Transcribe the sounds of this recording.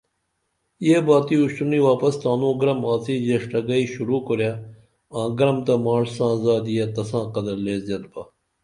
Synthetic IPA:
jeːbaːt̪iːuɕuniːʋaːpɐst̪aːnõːɡɾɐmaːt͡siːd͡ʑeʂʈɐɡɐiːɕuɾuːkoɾjaː | ãːɡɾɐmt̪ɐmaːʂsãːzaːd̪ijaːt̪ɐsãːqɐd̪ɐɾleːzjɐd̪baː

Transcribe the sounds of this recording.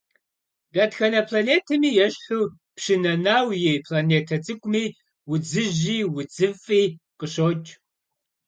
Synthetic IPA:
bʲaːtxɐnɐpʰlaːneːtʰɐmiːjɛɕħuː | pɕɪnɐnaːwjejpʰlaːneːtʰɐt͡sʼɨkʷʼmiː | wʊd͡zɨʑiːwʊd͡zɨfʼiːqəɕoːt͡ʃʼ

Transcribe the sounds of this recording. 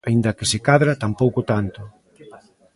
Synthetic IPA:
aind̪ɐkɪsɪkaðɾat̪ampowkʊt̪ant̪ʊ

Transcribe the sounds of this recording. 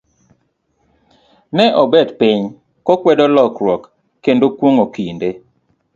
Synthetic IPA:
nɛʔɔbɛdpiɲ | kɔkwɛdɔlɔkɾwɔkː | endokwoŋokinde

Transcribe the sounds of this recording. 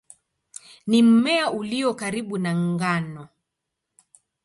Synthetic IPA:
nim̩mɛauliɔkaɾiɓunaŋɡanɔ

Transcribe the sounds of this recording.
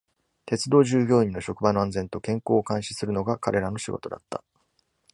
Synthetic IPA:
t̪e̞t͡sɨd̪o̞ːʑɨːɡʲo̞ːĩnːo̞ɕo̞kɯ̟bano̞ãnd͡zẽ̞nt̪o̞kẽ̞ŋko̞ːkãɰ̃ɕi̥sɨɾɯno̞ɡakaɾʔe̞ɾano̞ɕiɡo̞̰t̪od̪a̰t̪ːa

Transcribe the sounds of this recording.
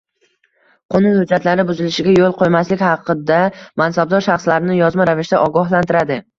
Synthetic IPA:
qʰonɪhʊd͡ʒːat̪laɾɪbʊzɪlɪʃɪɡʲajolˠqʰojmaslɪkʲhɑqʰːɨd̪amansab̚d̪ɒɾʃɑχslaɾɪnɪjɒzmaɾavɪʃt̪aʔɒɡɒhlant̪ɪɾad̪ɪ

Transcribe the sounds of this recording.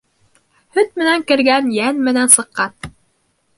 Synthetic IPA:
hɵt̪̚mɘ̆næŋkɘ̆ɾɡænjænmɘ̆nænsɤ̆qːɑn

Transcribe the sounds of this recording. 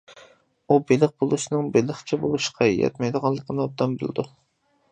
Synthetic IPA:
ubelɪq̚bolˠuʃnɨŋbelɪχt͡ʃʰɛbolˠuʃqɑjɛ̰t̪mɛjd̪əʁɑnlˠːəqʰənɨɑd̪ɑmbɨ̰lˠɨ̰d̪u

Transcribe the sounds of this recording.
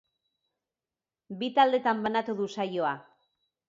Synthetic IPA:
bit̪ald̪e̞t̪ambanat̪uðusajo̞a

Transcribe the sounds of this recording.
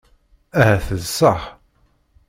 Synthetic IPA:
æɦæθəzsːəħ

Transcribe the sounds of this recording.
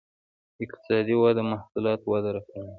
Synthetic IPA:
ɪqt̪ɪ̥sɑd̪iwɑd̪amahsulɑt̪wad̪aɾakawi

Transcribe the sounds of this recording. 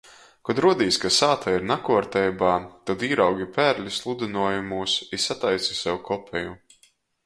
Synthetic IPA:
kɔd̪ɾuɔd̪iːskasaːt̪ʰaiɾnakuɔɾt̪ɛjbaːt̪ad̪iːɾawɡʲipæːɾlʲislˠud̪inuɔjumuːsisat̪ajt̪si̥sɛwkʰɔpʰʲɛju

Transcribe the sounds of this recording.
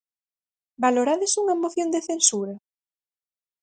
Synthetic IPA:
baloɾaðɪsuŋɐmoθjond̪eθensuɾɐ

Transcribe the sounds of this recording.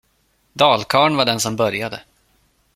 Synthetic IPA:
d̪ɑːlkʰɑːɳvaɖɛnsɔmbœɾjad̪ə̰

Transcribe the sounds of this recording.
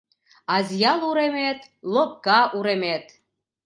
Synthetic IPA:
ɑzjɑlˠuɾemet̪ | lop̚kɑʔuɾemet̪

